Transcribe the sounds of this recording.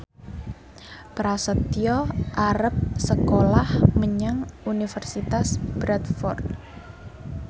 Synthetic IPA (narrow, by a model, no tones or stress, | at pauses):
pɾasət̪iɔʔaɾəp̚səkolahməɲaŋunifərsit̪asb̥ɾɛt̪fɔrt̪̚